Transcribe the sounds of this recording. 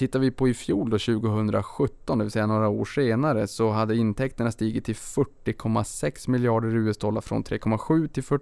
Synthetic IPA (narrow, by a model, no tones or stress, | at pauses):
t̪ʰɪt̪ːaɾvɪpʰɔɪfjuːld̪ɔɕʉ̟ːɡʊɦɵnd̪ɾa̰ɧɵt̪ːɔnd̪ɛvɪlsɛjːanoːɾaoːʂeːnaɾəsɔɦad̪ːəɪnt̪ʰɛkt̪əɳast̪iːɡɪt̪ʰːɪlfœʈːɪkʰɔmːasɛksmɪljɑːɖəɾʉ̟ːɛsd̪ɔlːa̰ɾfɾɔ̰nt̪ʰɾḛːkʰɔmːaɧʉ̟ːt̪ʰɪlfœ